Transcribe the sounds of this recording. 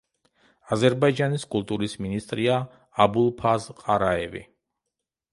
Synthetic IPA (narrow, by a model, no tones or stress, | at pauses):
azɛɾbaid͡ʒaniskʼulˠt̪ʼuɾisminist̪ʼɾiaː | bulˠpʰazqʼaɾaɛvḭ